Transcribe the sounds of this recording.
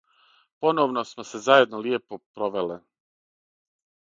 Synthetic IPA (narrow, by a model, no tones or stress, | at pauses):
po̞noːʋnosmosezaje̞d̪nolijepopɾoʋele